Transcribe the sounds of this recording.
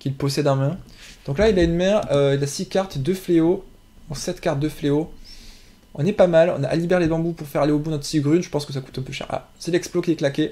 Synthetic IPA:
kʲilpɔsɛd̪ɛ̃mɛ̃d̪̥ɔ̃klailaynmɛʁøilasikʲaʁt̪d̪əfleo | ɔ̃sɛt̪kaʁt̪̚d̪əfleo | ɔ̰̃nɛpamalɔ̰̃naʔa̰libɛʁelebɑ̃bupuʁfɛʁaleobud̪nɔt̪siɡʁynʒəpɑ̃skəs̬aku̥t̪ɛ̃pøʃɛ̰ʁa̰ | sɛlɛksplokʲiɛklakʲe

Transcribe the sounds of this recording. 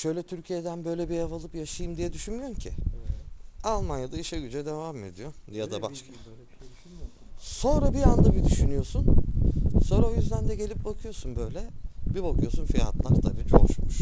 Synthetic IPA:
ʃø̞jlʲɛt̪ʰyɾcʰijed̪ænbø̞jlʲɛbiavalˠɯpjaʃajɯmd̪ijɛd̪yʃynmyjoumcʰi | alˠmanjad̪aiʃɛɟyd͡ʒɛd̪e̞vaːmed̪ijo̞d̪ijad̪abaʃkʰa | so̞nɾabiand̪abid̪yʃynyjo̞sun | so̞nɾaojyzd̪ænd̪ɛɟe̞lʲip̚bakʰɯjo̞sunbø̞jlʲɛbibakʰɯjo̞sunfija̰t̪lˠaɾt̪ʰabiːd͡ʒo̰ʃmuʃ

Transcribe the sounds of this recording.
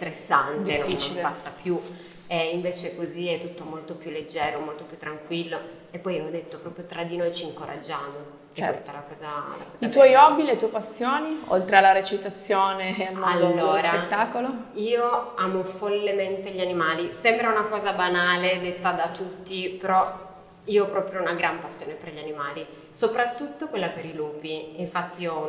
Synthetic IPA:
sst̪ɾesːand̪enoit͡ʃipasːapju | eiɱveːt͡ʃekoziɛt̪ːut̪ːomolt̪opjulːed͡ʒːɛːɾomolt̪opjut̪ːɾaŋkwilːo | epːɔjɔd̪et̪ːopɾɔːpɾjot̪ɾad̪inojt͡ʃiːŋkoɾa̰d͡ʒːaːmo | t͡ʃɛ̰west̪alakɔːzala̰kɔz̥it̪̬wɔjɔbːilet̪uɔepasːjoːnio̰lt̪ɾealːaɾet͡ʃit̪at̪sːjoːnealmalːoːsɾaet̪ːaːkoloiːoaːmofolːement̪eʎianimaːlisɛmbɾaunakɔːzabanaːled̪et̪ːad̪at̪ut̪ːipeɾɔ | iːoɔpɾɔːpɾjounaɡɾampasːjoːneperʎianimaːli | sopɾat̪ːut̪ːokwelːapeɾiluːbiiɱfat̪ːiɔ

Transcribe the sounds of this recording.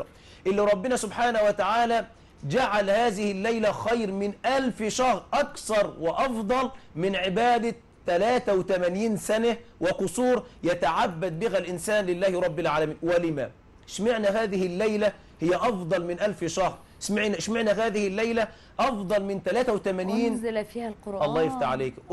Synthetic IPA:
ʔɪlːiɾˤɑbːɪnæsʊbħaːnawɪt̪aʕaːlæ | d͡ʒaʕalhaːðɪhɪlːajlæxɑjɾmɪnʔælfʃɑhɾʔɑkθɑɾˤwɪʔɑfd̪ˤɑlmɪnʕɪbaːd̪a | t̪ːælaːt̪awɪt̪æmæniːnsænawɪqʊsˤuːɾjæt̪aʕabːæd̪̚bɪɦælʔɪnsaːnlɪlːæːhɾˤɑbːɪlʕaːlæmiːnwɪlɪmæ | ʃmɪʕnæhaːðɪhɪlːajlæ | hɪjːæʔɑfd̪ˤɑlmɪnʔalfʃɑxɾ | ʃmɪʕʃmɪʕnæɦaːðɪhɪlːæjlæ | ʔɑfd̪ˤɑlmɪnt̪ælæːt̪æwɪt̪æmæniːn | ʔɑlˤːɑːjɪft̪aħʕaleːk

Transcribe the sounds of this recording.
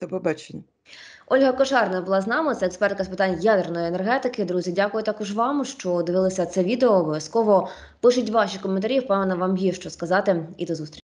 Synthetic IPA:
ɐbɛbat͡ʃenʲɐ | ɔlʲɦɐkɔʒɑrnɔɐbʊlˠɑznɑmɪt̪sɛɛkspɛrt̪̚kɐspɪt̪ɑnʲjad̪ernɔjenerɦɛt̪ɪkɪd̪ɾuzʲidʲakʊjʊt̪ɑkʊʒʋɑmʃt͡ʃɔd̪ɪʋɪlˠɪsʲɐt̪sɛʋʲid̪eɔːbɔʋʲjɐskɔʋɔ | pɪʃʊtʲʋɑʃikɔment̪ɐɾʲiwpɛʋenɐʋɑmjiʃt͡ʃɔskɐzɑt̪ɪḭd̪ɔzust̪ɾʲit͡ʃ

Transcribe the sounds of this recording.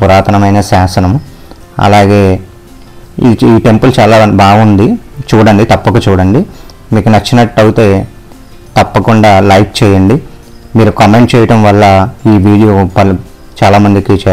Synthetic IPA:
puɾaːt̪ɐnɐmɐjnɐsaːsɐnɐm | ɐ̰laːɡe̞ː | iiːʈe̞mpult͡ʃaːlaːbaːɡund̪it͡ʃuːɽɐɳɖit̪ɐpːɐkut͡ʃuːɽɐɳɖi | miːkunɐt͡ʃːinɐʈːɐwut̪e̞ː | t̪ɐpːɐkuɳɖaːlɐjk̚t͡ʃɛːjɐɳɖi | miːɾukɐme̞ɳʈ̚t͡ʃɛːjɐʈɐmʋɐlːɐiːʋiːɽijoːpɐl | t͡ʃaːlaːmɐnd̪ikit͡ʃɛː

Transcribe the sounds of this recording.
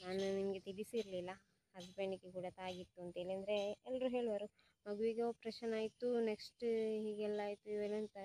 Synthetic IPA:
naːnunimɐɡe̞t̪ilisiɾlilːɐ | ɐdpeːɳikːekuːɽɐt̪aːɡit̪ːuɐnt̪ɦeːɭiɐnd̪ɐɾe̞ɛlːɐɾuɦe̞ːɭʋɐɾu | mɐɡuʋiɡeoːpɾeːʃɐnaːjit̪ːuneksʈɦiːɡɛlːaːjt̪ːuiʋelɐnt̪ɐ

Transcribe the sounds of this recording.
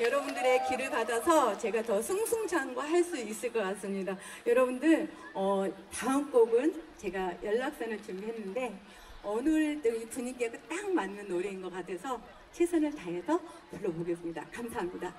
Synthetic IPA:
jʌɾʌbundɯɾe̞kiɾɯɭkadasʰʌt͡ɕe̞ɡatʌsʰuŋsʰuŋd͡ʑʰanɡwaɦaɭs͈uis͈ɯɭk͈ʌk͈ats͈ɯmɲidajʌɾʌbundɯɭʌtaɯnk͈oɡɯnt͡ɕe̞ɡajʌɭːak̚s͈anɯɭt͡ɕuɡiɦe̞nːɯnde̞ | ʌnɯɭtʌipuɲikeɡɯt͈aŋmanːɯnoɾeinɡʌk͈atʰe̞sʰʌ | t͡ɕʰesʰanɯɭtaŋɦe̞sʰʌ | puɭːʌboɡes͈ɯmɲida̰kamsʰaɦamɲida

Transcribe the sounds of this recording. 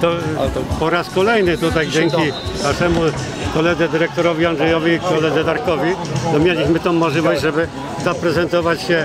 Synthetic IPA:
t̪ɔpɔɾaskɔlɛjnɘt̪ut̪ajd͡ʑɛŋkʲi | k̪aʂɛmu | kɔlɛd̪zɛd̪ɘɾɛk̚t̪ɔɾɔvʲianʐɛjɔvʲikɔlɛd̪zɛd̪aɾkɔvʲit̪ɔmʲjelʲiɕmɘt̪ɔ̃w̃mːɔʐlʲivɔɕd͡ʑʐɛbɘ | zapɾɛzɛnt̪ɔvat͡ɕɕɛ

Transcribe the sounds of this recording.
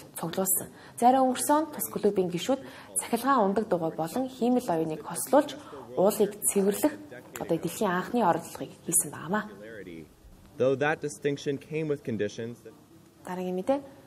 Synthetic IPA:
t͡sʰʊɣɮʊːɮsə̆ŋ | t͡sæɾʲʊːŋɵŋɵ̆r̥sɔːnt̪ʰʊsɡɵ̆ɮɵ̆ːpiːŋɡeʃuːt̪ | t͡sʰæ̥xʲɪ̆ɮʁaːŋʊnt̪ə̆k̚t̪ʊʁʊːpɔɮɞ̆ŋxiːmɘ̆ɮɔjʊːniːkχɔsɮʊːɮt͡ɕʊːɮiːkt͡sʰewɘ̆rɮɘ̆xɔ̰t̪ɔːt̪eɮxiːŋaɴχniːɔɾɞ̆t̪ɮ̆ʁiːkxiːsɘ̆mpæ̰ːʁa̰ːmaː | ðoʊðət̚d̥ɨstɪ̃ŋkʃɨ̃nkʰẽɪ̃mwɨð̥kʰɨ̃ndɪʃɨ̃n | t̪aɾə̆ŋimet̪eː

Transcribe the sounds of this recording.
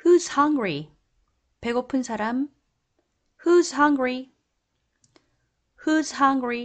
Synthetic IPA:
hushʌŋɡɹi | pe̞ɡopʰɯnsʰaɾam | hushʌŋɡɹi | hushʌŋɡɹi

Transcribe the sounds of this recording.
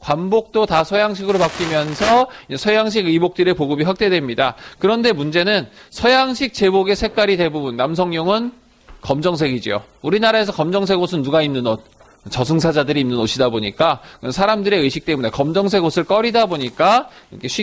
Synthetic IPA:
kwanbok̚t͈otasʰʌjaŋɕʰiɡɯɾopak͈imjʌnsʰʌid͡ʑesʰʌjaŋɕ̬ʰiɡɯbok̚t͈ɯɾe̞poɡɯbiɸwak̚t͈e̞dwe̞mɲidakɯɾʌnde̞mund͡ʑe̞nɯnsʰʌjaŋɕʰik̚t͡ɕe̞boɡe̞sʰe̞k͈aɾide̞bubunːamsʰʌŋɲʌŋɯn | kʌmd͡ʑʌŋsʰe̞ɡid͡ʑijo̰ | uɾinaɾae̞sʰʌkʌmd͡ʑʌŋs̬ʰe̞ɡosʰɯnːuɡaimnɯnot̚ | t͡ɕʌsʰɯŋsʰad͡ʑadɯɾiːmnɯnoɕʰidaboɲik͈akɯnsʰaɾamdɯɾe̞ɯɕʰik̚t͈e̞mune̞kʌmd͡ʑʌŋsʰe̞ɡosʰɯɭk͈ʌɾidaboɲik͈aikʰeɕʰi

